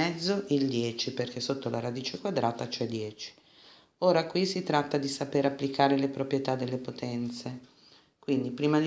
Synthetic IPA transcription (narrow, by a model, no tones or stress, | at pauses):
ɛd̪zːoʔild̪jɛːt͡ʃiperkesot̪ːolaɾad̪iːt͡ʃekwad̪ɾaːt̪at͡ʃɛd̪jɛːt͡ʃi̥ | oːɾakwisit̪ɾat̪ːad̪isapeɾapːlikaːɾelepɾopɾjet̪ad̪ːelːepot̪ɛnt̪se | kwind̪ipɾiːmad̪